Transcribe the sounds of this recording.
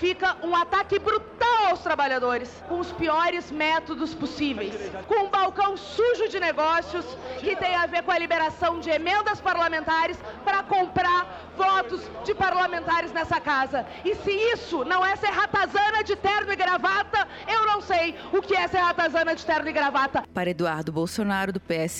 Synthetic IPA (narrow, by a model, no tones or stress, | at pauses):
fikɐũat̪akɪbɾut̪awawst̪ɾabaʎad̪oɾɪskõʊspiɔɾɪzmɛt̪od̪ʊsposivejskõũbawkɐ̃w̃suʒʊd͡ʒɪneɡɔsjʊskɪt̪ẽj̃aveɾkõɐlibeɾasɐ̃w̃d͡ʒɪemẽnd̪ɐspaɾlamẽnt̪aɾɪspɾɐkõmpɾaɾ | vɔt̪ʊzd͡ʒɪpaɾlamẽnt̪aɾɪznɛsɐkazɐ | ɪsɪisʊnɐ̃w̃ɛseɾɦat̪azɐ̃nɐd͡ʒɪt̪ɛɾnʊɪɡɾavat̪ɐ | ewnɐ̃w̃sej | ʊkɪɛseɾhat̪azɐ̃nɐd͡ʒɪt̪ɛɾnʊɪɡɾavat̪ɐpaɾɐed̪uaɾd̪ʊbowsonaɾʊd̪ʊpeɛs